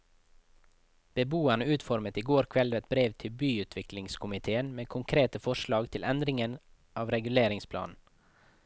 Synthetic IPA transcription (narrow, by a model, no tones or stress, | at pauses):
b̥əbuːanəʉːt̪fɔɾmət̪iːɡoːɾkʰʋɛlʋɛt̪̚bɾeːʋt̪ʰɪlbyːʉːt̪ʰʋɪklɪŋskʰʊmɪt̪ʰeːənmeːkʰʊŋkʰɾeːt̪əfɔʃlɑːɡt̪ʰɪlʔɛnd̪ɾɪŋən | ʔɑːʋɾɛɡʉleːɾɪŋspʰlɑ̰ːnn̩